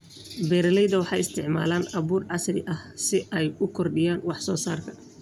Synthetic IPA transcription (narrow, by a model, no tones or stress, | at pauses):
bɛːɾɐlɛjðɐwɑħɑ̰jɪst̪ʰɪʕma̰ːlaːnɐβuːrʕɑsrɪ̰ʔɐhsɪʔɛjʊkʰɔrɖɪjaːnwɑħsɔːsaːrkʰɐ̥